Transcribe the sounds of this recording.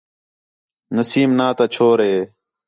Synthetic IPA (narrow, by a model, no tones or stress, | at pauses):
nəsiːmnaːt̪at͡ʃʰoːɾɦeː